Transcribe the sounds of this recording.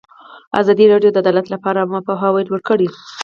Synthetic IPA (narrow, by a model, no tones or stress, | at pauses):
a̰zɑd̪iɾɑɖjod̪əad̪ɑlat̪lapɑɾaapoɦɑwajlwəɽkəɽi